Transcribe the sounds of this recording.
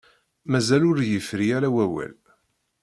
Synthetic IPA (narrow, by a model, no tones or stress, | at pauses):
mæzælʊɾjəfɾiæɾæwæwæ̰l